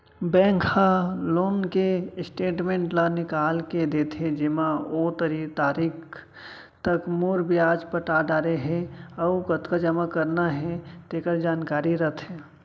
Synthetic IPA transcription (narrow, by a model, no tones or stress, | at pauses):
bɛ̃ːŋkhaloːnkesʈeːʈmẽːɳʈlanɪkaːlked̪et̪ʰed͡ʒɪmaot̪əɾit̪aːɾiːk | t̪əkmoːɾbʱijaːd͡ʒpəʈaɖaːɾeɦɛ̃ɔukət̪kad͡ʒəmakəɾnaɦɛ̃t̪eːkəɾd͡ʒaːnkaːɾiɾət̪ʰɦe